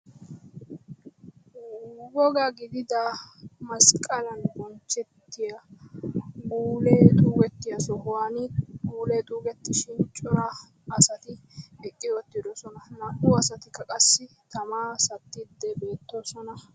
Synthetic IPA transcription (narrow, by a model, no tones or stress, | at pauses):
ɡɔɡaɡɪd̪ɪd̪ɐmɐskʼɐlɐnbɔnt͡ʃːɛt̪ːɪja | ɡuːleːt̪ʼuːɡɛt̪ːɪjɐsɔhʊwanɪɡuːleːt̪ʼuːɡɛt̪ːɪʃɪnt͡ʃʼʊɾɐː | sɐt̪ɪɛkʼːɪjɔt̪ːɪd̪ɔsɔnɐnɐkːuːɐsɐt̪ɪkːɐkʼɐsːɪ | t̪ɐmaːsɐt̪ːɪd̪ːɛbe̞ːt̪ːoːsɔnɐ